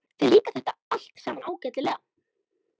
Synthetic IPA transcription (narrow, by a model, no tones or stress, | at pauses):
θɛliːkaθɛht̪aal̥t̪sɛmanaːwcɛt̪lɪlɛːɣ